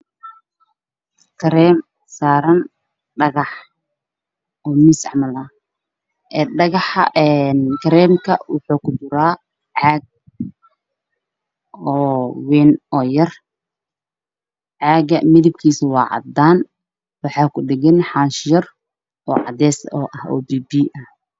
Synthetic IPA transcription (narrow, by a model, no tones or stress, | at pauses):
kʰɐɾɛːm | saːɾɐn | ɖɐɣɑħ | ɔːmɪsʕmɐlɐ | ʔɛːɖɐɣɑħɛnkʰɐɾɛːmkʰɐwɑ̰ħuːkʰʊd̪ʊɾaː | ʕɑːɡ̚ | ɔːwɛːnɔːjɐr | ʕɑːɡɐmɪðɪb̚kʰiːsɪwɑːʕɑ̰d̪aːn | wɑħɑːkʰʊɖɪɣɪnħɑnʃjɐr | ʔɔːʕɑ̰d̪ɛːsɔ̰ːʔɐhɔ̰ːbiːbiːʔɐh